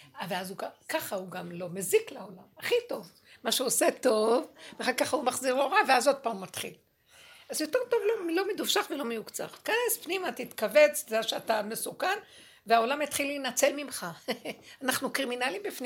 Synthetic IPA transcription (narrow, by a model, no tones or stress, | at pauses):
veazuɡakaχahuɡamlo̞meziklaolamaχito̞v | maʃeoseto̞vveaχalkaχaumaχziʁoʁaveazo̞d̚paːmːat̪χḭl | azjo̞te̞ʁt̪o̞vlo̞mlo̞medufʃaχvelo̞mejukt͡sa̰χtkanespnimat̪it̪kavet͡szaʃeatamesukan | veao̞lamet̪χilːenat͡selmimχaanaχnukʁiminalimbifn